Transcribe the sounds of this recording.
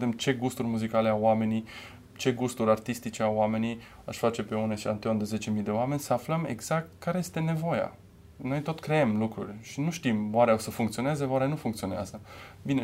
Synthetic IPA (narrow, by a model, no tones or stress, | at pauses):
d̪emt͡ʃe̞ɡust̪urʲmuzikale̞aame̞ni | t͡ʃe̞ɡust̪uɾʲart̪ist̪it͡ʃeaame̞ni | a̰ʃfat͡ʃe̞pe̞uneʃa̰nt̪eond̪eze̞t͡ʃe̞mijd̪e̞oame̞nʲsəafləme̞̰ɡz̥ak̚t̪̚kʰaɾe̞jest̪e̞ne̞vo̞ja̰ | no̞jt̪o̞t̪kɾeemlukɾṵrʲʃinuʃt̪imwaɾeawsəfuŋkt̪sio̞neze̞waɾeanufuŋk̚t̪sio̞nea̰zə | bine